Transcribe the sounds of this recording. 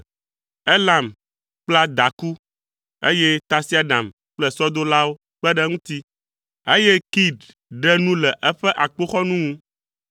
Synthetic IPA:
e˦la˨m | k͡pla˦d̪a˨ku˦ | ḛ˦jɛ˦t̪a˦si˦a˨ɖã˨m | k͡plɛ˦˨sɔ˦d̪o˦la˦wo˦ | k͡pɛ˦ɖɛ˦ŋũ˦t̪i˦ | e˦jɛ˦ki˦d | ɖɛ˦nũ˦lɛ˨ʔɛ˦ɸɛ˦ʔa˨k͡po˦xɔ˦nũ˦ŋũ˦

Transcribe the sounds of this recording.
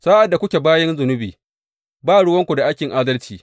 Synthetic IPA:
saː˦ʔa˨dːa˨kʷʊ˦kʲe˨baː˦jɐ˦nzʊ˨nʊ˦bḭː˨ | baː˦˨ɽʊ˦wɐ˦ŋkʷu˨da˨ʔa˦jkʲɪ˨ŋʔaː˦dɐ˦lt͡ʃiː˨

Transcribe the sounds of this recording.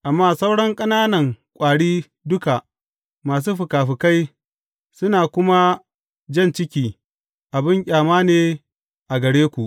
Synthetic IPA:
ʔa˨mːaː˦sa˦wɽɐ˦ŋkʼɐ˦naː˦nɐ˨ŋkʷʼaː˨ɽiː˦ | dʊ˦ka˨ | maː˨s̬uː˦ɸʊ˨kaː˨ɸɪ˨ka˦j | sʊ˦naː˨kʷʊ˦ma˦ | d͡ʒɐ˦˨nt͡ʃɪ˦kʲiː˨ | ʔa˨bɪ˦ŋkʲʼaː˨maː˦neː˨ | ʔa˨ɡɐ˨ɽeː˦kʷu˨ʔ

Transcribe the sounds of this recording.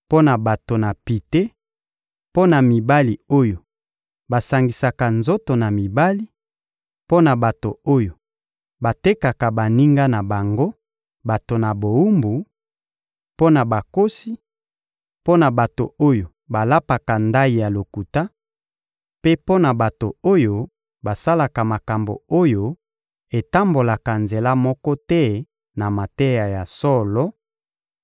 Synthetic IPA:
po˦na˨ba˨to˨na˨pi˨te˦ | po˦na˨mi˨ba˦li˨o˦jo˨ | ba˨sa˨ŋɡi˨sa˨ka˨nzo˦to˨na˨mi˨ba˦li˦ | po˦na˨ba˨to˨o˦jo˨ | ba˨te˦ka˨ka˨ba˨ni˦ŋɡa˦na˨ba˨ŋɡo˦ | ba˨to˨na˨bo˨u˦mbu˨ | po˦na˨ba˨ko˦si˦ | po˦na˨ba˨to˨o˦jo˨ | ba˨la˦pa˨ka˨nda˦i˨ja˨lo˨ku˨ta˦ | pe˦po˦na˨ba˨to˨o˦jo˨ | ba˨sa˦la˨ka˨ma˨ka˨mbo̰˨o˦jo˨ | e˨ta˦mbo˨la˨ka˨nze˨la˦mɔ˦kɔ˦tɛ˦ | na˨ma˨te˦ja˨ja˨sɔ˦lɔ˦

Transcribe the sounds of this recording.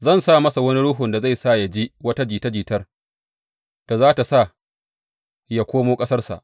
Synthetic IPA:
zɐ˦˨nsa˦˨mɐ˦sa˨wɐ˦ni˦ɽʊ˦ɦʊ˨nda˨za˦˨jsa˦˨ja˨d͡ʒi˦wɐ˦ta˦d͡ʒiː˨tɐ˦d͡ʒiː˨tɐ˦r | d̥a˨zaː˦ta˨sa˦˨ | ja˨kʷoː˦moː˦kʼɐ˦sɐ˦rsa̰˨ʔ

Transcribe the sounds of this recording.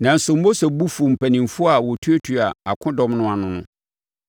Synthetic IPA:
nã˨n̩˨sʊ˨m̩˦bo˦sɔ˨bu˦fu˨m̩˨pʰæ˨nĩ˨mfʊ˦a˨wɔ˨tʰu˦e˦tʰu˨a˨a˨kʰʊ̃˦dɔ̃˦mnʊ̃˦a˨nʊ̃˦nʊ̃˦

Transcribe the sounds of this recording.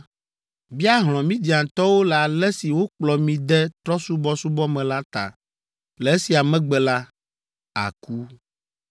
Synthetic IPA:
bi˦a˦ɦl̃ɔ̃˨mĩ˦d̪i˨ã˨t̪ɔ˦wo˦lɛ˨a˨lɛ˦si˨wo˦k͡plɔ˨mĩ˨d̪ɛ˦t̪ɾɔ˦su˦bɔ˦su˦bɔ˦mɛ̃˨la˦t̪a̰˨ | lɛ˨e˦si˨a˨mɛ̃˦ɡ͡bɛ˨la˦ | a̰˨ku˦

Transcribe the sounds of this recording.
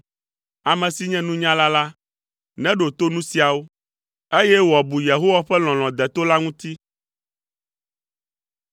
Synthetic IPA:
a˨mɛ̃˨si˨ɲɛ̃˦nũ˦ɲã˦la˦la˦ | nɛ̃˦ɖo˨t̪o˦nũ˦si˨a˨wo˦ | e˦jɛ˦wɔ˨bu˨je˨ɦo˦wa˦ɸɛ˦l̃ɔ̃˨l̃ɔ̃˨d̪ɛ˨t̪o˦la˦ŋũ˦t̪i˦

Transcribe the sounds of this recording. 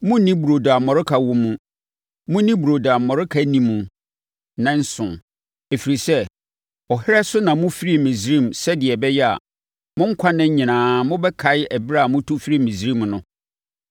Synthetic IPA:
mʊ̃˦nĩ˦bu˨ɾo˨da˨m˨mɔ˨ɾʊ˦kʰa˨wo˨mũ˦ | mʊ̃˦nĩ˦bu˨ɾo˨da˨mːɔ˨ɾʊ˦kʰa˨nĩ˦mũ˨ | nã˦n̩˦sʊ̃˨n | e˨fi˨ɾi˨sɛ˦ | ɔ˨hɪ˦ɾɛ˦sʊ˦nã˨mʊ̃˦fi˦ɾi˦mɪ̃˨zɾĩ˦˨msɛ˦dɪ˨ɛ˨bɛ˦jɛ˦a̰˨ | mʊ̃˦ŋ̩˦kʰa˦nɪ̃˦ɲ̩˦ɲɪ̃˨nãː˨mʊ̃˦bɛ˦kʰa˨ɪ˦æ˨bɾa˦˨mʊ̃˦tʰu˦fi˦ɾi˦mɪ̃˨zɾĩ˦mnʊ̃˦

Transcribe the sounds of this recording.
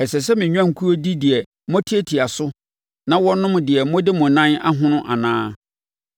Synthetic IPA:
ɛ˨sɛ˨s̬ɛ˦mɪ̃˨ɲᶣ˦ã˦ŋ̩˨kʰu˦o˦di˦dɪ˨ɛ˨ | mɔ̃˦tʰi˦e˦tʰi˨a˨sʊ˦ | nã˦wɔ˦nʊ̃˦mdɪ˨ɛ˨mɔ̃˦dɪ˦mʊ̃˨nã˦na̰˦ɦʊ̃˦nʊ̃˦ʔa˨nãː˦

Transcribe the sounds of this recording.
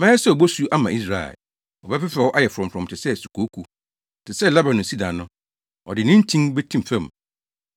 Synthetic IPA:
mɛ̃˦ɛ˦sɛ˦˨ɔ˨bo˦su˦ʔa˦mã˨i˦s̬ɾa˦˨ɛ̰˨ | ɔ˨bɛ˦fɪ˦fɾɛ˨wɔ˦ʔa˦jɛ˨fɾɔ̃˨m˨fɾɔ̃˨m˨tʰɪ˨sɛ˦˨su˨kʰo˨˦kʰu˦ | tʰɪ˨sɛ˦˨la˦bã˨nʊ̃˨si˦dã˨nʊ̃˦ | ɔ̰˨dɪ˨nɪ̃˦n̩˦tʰĩ˦nbɛ˦tʰĩ˦m˨fɛ̃˦˨m˨

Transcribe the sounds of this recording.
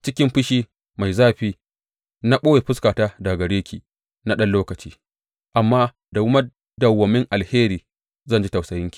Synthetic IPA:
t͡ʃɪ˦kʲɪ˦mɸɪ˦ʃiː˦ | ma˨jzaː˦ɸiː˦ | na˦ɓoː˦je˨ɸɪ˦skaː˨taː˦da˨ɡɐ˨ɽeː˦kʲiː˨ | na˦ɗɐ˦nloː˦kɐ˨t͡ʃiː˦ | ʔa˨mːaː˦ | da˨wʊ˦mɐ˦ | dɐ˨wːɐ˨mɪ˦ŋʔa˨lheː˦ɾiː˨ | zɐ˦˨nd͡ʒi˦ta˨wsɐ˨jɪ˦ŋkʲi̥˨

